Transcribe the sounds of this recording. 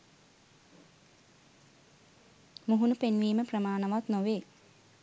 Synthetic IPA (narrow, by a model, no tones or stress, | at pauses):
muɦunupenʋiːməprəmaːnɐʋat̪noʋeː